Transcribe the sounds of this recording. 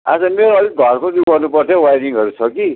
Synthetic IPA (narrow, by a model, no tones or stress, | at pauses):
a̰d͡zʌmeɾoʌliɡʱʌrkoduɡʌrnupʌrt̪ʰeowajɾiŋɦʌɾut͡sʰʌki